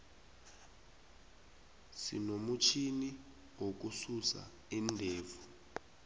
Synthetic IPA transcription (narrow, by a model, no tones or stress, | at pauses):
sḭnomut͡ʃʰini | wok̬ususa̰ | indʱeːvu